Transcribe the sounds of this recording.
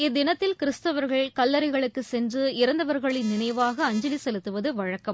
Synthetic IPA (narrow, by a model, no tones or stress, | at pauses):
ɪd̪ːɪnɐt̪ːɪlkɪɾɯst̪ɐʋɐɾɣɐɭkɐlːɐɾɐɪɣɐɭɯkːɯsɛndrɯɪɾɐnd̪ɐʋɐɾɣɐɭɪnɪnɐjʋaːɣɐːɲd͡ʒɐlisɛlɯt̪ːɯʋɐðɯʋɐɻɐkːɐm